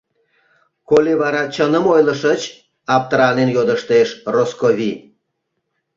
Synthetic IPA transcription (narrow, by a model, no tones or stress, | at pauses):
kolʲeβɑɾɑt͡ɕənəmojlə̆ʃə̆t͡ɕ | ɑp̚t̪ɾɑnenjod̪əʃt̪eʃroskoβʲi